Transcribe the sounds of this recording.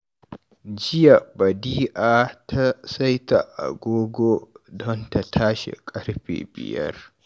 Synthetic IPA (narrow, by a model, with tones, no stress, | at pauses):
d͡ʒɪ˦ja˨bɐ˨diː˦ʔaː˦tʰa˦sa˦jta˨ʔa̰˨ɡʷoː˦ɡʷo˦dɔ˦nta˨tʰaː˦ʃḛ˨kʼɐ˦ɽɸḛː˨bɪ̰˨jɐ̰˦r